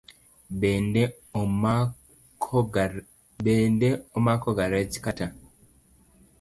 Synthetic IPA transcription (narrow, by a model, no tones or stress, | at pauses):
b | beːndeomakoɡaɾeci̥kata